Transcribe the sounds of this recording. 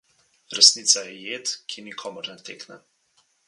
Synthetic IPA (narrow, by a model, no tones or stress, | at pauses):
ɾɛsniːt̪sajɛjeːt̪kʰinikʰɔmɔɾnɛt̪eːknɛ